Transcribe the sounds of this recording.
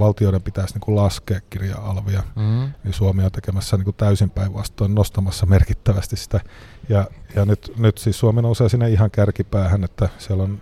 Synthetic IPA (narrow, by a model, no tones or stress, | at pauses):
ʋɑlt̪ioiɾempit̪æsniːŋkulɑskeːkkirjɑ̰ɑ̰lʋiɑnisuomeːont̪ekemæsːæniːŋkut̪æysimpæiʋʋɑ̰st̪oinnost̪ɑmɑsːɑmerkit̪ːæʋæst̪issi̥t̪æ | jɑjɑnyt̪nyt̪siːssuomenouseːsinːeihɑŋkærkipæːhænet̪ːæsiælːon